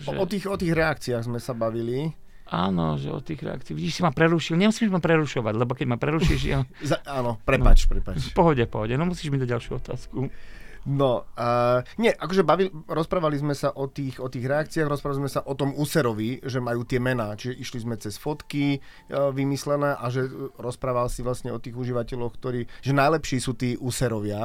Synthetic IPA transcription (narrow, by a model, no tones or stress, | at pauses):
ʒɛ̰ɔt̪iːxɔt̪iːɣɾɛakt͡siaɣzmɛsabaʋili | ʔaːnɔ̰ʒɛ̰ɔ̰t̪iːɣɾɛ̰a̰kt͡siːʋiɟiːʃsimapɾɛɾuʃilɲɛmusiːmʒmapɾɛɾuʃɔʋaɟlɛbɔkɛɟmapɾɛɾuʃiʒazaaːnɔpɾɛpa̰t͡ʃpɾɛpat͡ʃfpɔɦɔɟɛfpɔɦɔɟɛnɔmusiːʒmid̪aɟɟalʃjuɔt̪a̰ːskunɔ | ɲɛʔakɔʒɛbaʋilɾɔspɾaːʋalizmɛsaʔɔt̪iːxɔt̪iːɣɾɛakt͡siaːɣɾɔspɾaʋalizmɛsaʔɔt̪ɔmuːsɛɾɔʋiʒɛmajuːt̪ɪɛmɛnaːt͡ʃiʒɛʔiʃlizmɛt͡sɛsfɔt̪ki | ʋimislɛnɛːʔaʒɛɾɔspɾaːʋalsiʋlastɲɛɔt̪iːɣuʒiʋacɛlɔxkt̪ɔɾiːʒɛnajlɛpʃiːsuːt̪iːʔuːsɛɾɔʋɪa